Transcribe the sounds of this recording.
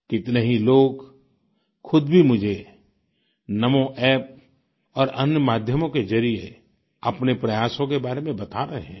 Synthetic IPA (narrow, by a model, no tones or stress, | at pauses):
kɪt̪neɦiloːɡ | xʊd̪bʱimʊd͡ʒʱe | nɐmõʔɛːp̚ | ɔːɾɐnjəmaːd̪ʱjəmõkezɐɾie | ɐpnepɾɐjaːʃõkebaːɾemẽbɐt̪aɾɐɦeɦɛ̃ː